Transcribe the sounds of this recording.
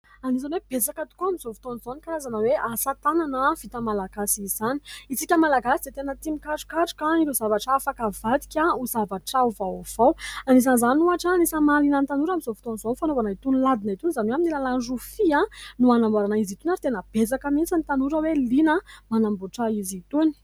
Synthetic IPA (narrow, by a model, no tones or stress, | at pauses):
anizanweb̥et͡sakət̪u̥koamizovut̪onizonikazanəweasat̪ananəv̥it̪əmalaɡ̥asiizaniisikʲəmalaɡasid̪et̪enət̪imikaʈ͡ʂu̥kaʈ͡ʂu̥kaiɾezavaʈ͡ʂafakavad̪i̥kʲauzavaʈ͡ʂauvav̥awaniz̬anizanuaʈ͡ʂaːnisəmalinənt̪anuɾamizovu̥t̪onizofanovanait̪unlad̪inait̪unizanwaminilalanɖ͡ʐufiãnuanambaɾanaizit̪unaɾit̪enəb̥et͡sakəmint͡sant̪anuɾəwelinəmanambuʈ͡ʂaizit̪uni̥